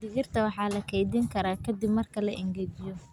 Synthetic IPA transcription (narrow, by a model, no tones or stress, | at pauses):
d̪ɪɣɪrt̪ʰɐwɑħɑːlɐkʰɛjd̪ɪŋkʰɐɾaːkʰɐd̪ɪbmɐrkʰɐlɐʔɪŋɡɛd͡ʒɪjɔ